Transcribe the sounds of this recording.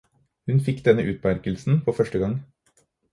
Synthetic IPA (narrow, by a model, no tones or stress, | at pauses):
hʉnfɪkːd̪ɛnəʔʉːt̪̚pæɾkəlsn̩pʰoːfœʂʈəɡɑŋ